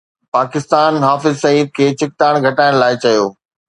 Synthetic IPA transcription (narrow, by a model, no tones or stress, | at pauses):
paːkɪst̪aːnɦaːfɪzsɐiːd̪̚kʰeːt͡ɕɪk̚t̪aːɽ̃ɡʱɐʈaːɪɽ̃laːɪt͡ɕɐjoː